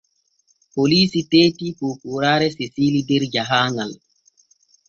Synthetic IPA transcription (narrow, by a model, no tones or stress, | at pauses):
poliːsiteːtikokuɾaːɾɛsisiːlidɛɾd͡ʒaɦaːŋal